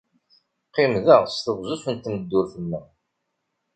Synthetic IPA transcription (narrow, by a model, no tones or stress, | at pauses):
qːɪmðæʁst̪əʁzusənt̪ːməd̪ːʊɾθəmːæ